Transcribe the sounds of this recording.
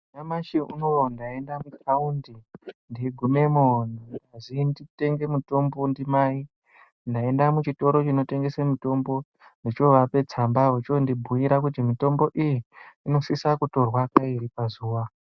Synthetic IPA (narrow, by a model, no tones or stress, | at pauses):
namaʃiṵnoondae̞ndamukʰaundindiɡʱume̞monindazindite̞ŋɡe̞muto̞mbondimai | ndae̞ndamut͡ʃito̞ɾo̞t͡ʃino̞te̞ŋɡe̞semito̞mbo̞ | ndit͡ʃo̞ʋape̞t͡sambaot͡ʃondibʱuiɾakutimito̞mbo̞ʔijiːno̞sisakuto̞rwakaiɾipazuːʋa